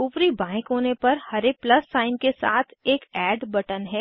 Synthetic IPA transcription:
upɾibãːɪ̃kɦoːnepɐɾhɐɾeplɐsːaːɪmkesa̰ːt̪ʰeːkɛːɖbɐʈənɦɛː

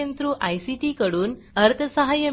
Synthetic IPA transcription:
ənt̪ɾũːʔajsiʈiːkəɽuːn | əɾt̪ʰəsəɦajə

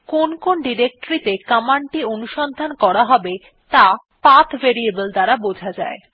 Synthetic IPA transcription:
konkonɖiɾek̚ʈoɾit̪ekamaɳʈionuʃɔnd̪ʱankɔɾaɦɔbe | t̪a | pat̪ʰveɾiebəld̪aɾabod͡ʑʱad͡ʑae

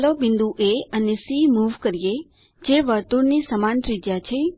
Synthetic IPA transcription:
lobɪnd̪ũʔeənesimuʋkəɾije | d͡ʒeʋəɾt̪uɾnisəmanʈɾid͡ʒjat͡ʃʰe

